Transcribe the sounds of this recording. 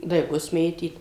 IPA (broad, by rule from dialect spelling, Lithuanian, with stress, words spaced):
dɐɪˈɡʊs ˈmʲeːtʲiːt